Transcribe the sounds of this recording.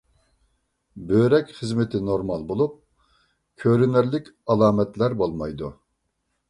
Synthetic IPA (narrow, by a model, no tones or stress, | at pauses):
bøɾɛkʲχəzmɪt̪ʰɪnoɾmɑlˠbolˠup̚ | kʲʰøɾynɪɾlɪkʲɑlˠɑːmɛt̪læɾbolˠmɑjd̪u